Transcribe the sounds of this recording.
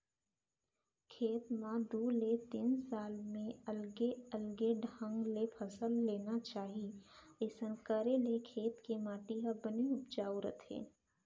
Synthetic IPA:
kʰeːt̪mãd̪uːlet̪iːnsaːlmẽəlɡeəlɡeɖʱə̃ŋɡlepʰəsəlːeːnat͡ʃaːɦi | eːsənkəɾelekʰeːt̪kemaːʈiɦabəniʊpd͡ʒaːuɾət̪ʰḛː

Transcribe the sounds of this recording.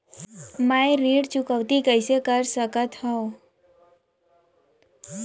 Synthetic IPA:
majɾiːɽt͡ʃʊkəʋt̪ikəjsekəɾsəkət̪ɦɔ

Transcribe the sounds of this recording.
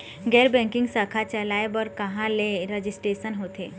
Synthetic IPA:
ɡɛːɾbɛ̃ːŋkɪ̃ŋɡsaːkʰat͡ʃɐlaːebɔɾkɐɦãleɾed͡ʒɪsʈɾeːʃənɦoːt̪eː

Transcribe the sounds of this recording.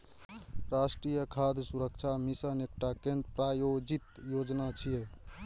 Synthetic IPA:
ɾasʈɾijəkʰad̪ʱsuɾək̚t͡ʃʰamisənek̚ʈakeɳɖpɾajod͡ʒit̪jod͡ʒnat͡ʃʰije

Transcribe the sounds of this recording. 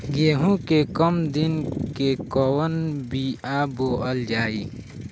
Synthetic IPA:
ɡeːɦũkekəmd̪ɪnkekɔwənbiaboːəld͡ʒaːi

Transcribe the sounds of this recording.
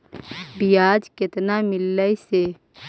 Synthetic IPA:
bijaːd͡ʒkɪt̪namɪlːəise

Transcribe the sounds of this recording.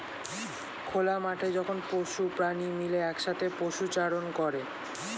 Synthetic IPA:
kʰolamaʈʰed͡ʑɔkʰonpoʃupɾanimileɛkʃat̪ʰepoʃut͡ɕaɽonkɔɾe

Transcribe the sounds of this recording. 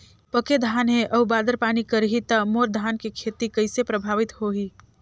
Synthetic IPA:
pəked̪ʱaːnɦẽʔəʊbaːd̪əɾpaːnikəɾɦit̪əmoɾd̪ʱaːnkekʰet̪ikəɪsepɾəbʱaːʋɪt̪hoɦi

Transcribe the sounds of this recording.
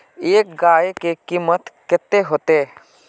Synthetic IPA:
eːk̚ɡaːekekiːmət̪kɛt̪ːeɦoːt̪e

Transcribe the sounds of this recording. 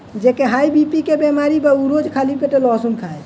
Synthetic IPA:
d͡ʒekeɦajbipikebemaɾibəuɾod͡ʒkʰalipeʈelɔsunkʰae

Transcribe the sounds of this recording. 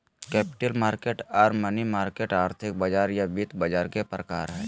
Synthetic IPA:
kɛːpɪ̥ʈəlmaːɾkeːʈaːɾmɐnimaːɾkeːʈaːɾt̪ʰɪk̚bɐd͡ʒaːɾjabit̪bɐd͡ʒaːɾkepɾəkaːɾɦɛː

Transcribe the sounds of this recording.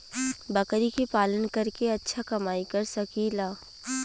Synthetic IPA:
bɐkɾikipaːlənkɐɾkeɐtːʃʰakɐmaːikɐɾsɐkiːlaː

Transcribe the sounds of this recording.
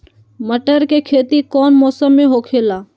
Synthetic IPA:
məʈəɾkekʰeːt̪ikɔːnmɔːsəmːẽɦoːkʰeːlaː

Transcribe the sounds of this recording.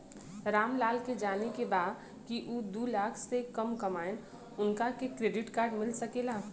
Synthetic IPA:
ɾaːmlaːlked͡ʒaːnekebaːd̪ | kiʔuːd̪uːlaːkʰsekɐmkɐmaːen | ʊnkakekɾeːɖɪʈkaːɾɖmɪlsɐkelaː

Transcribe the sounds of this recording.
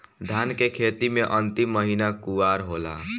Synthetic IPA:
d̪ʱankekʰet̪imeʔənt̪imːəɦinakuaɾɦola̰

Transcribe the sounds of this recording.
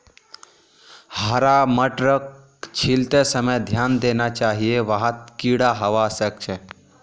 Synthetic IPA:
həɾaməʈɾək̚ | t͡ʃʰilt̪esəməjd̪ʱjand̪enat͡ʃaɦieʋəɦət̪kiɽaɦəʋasək̚t͡ʃʰe

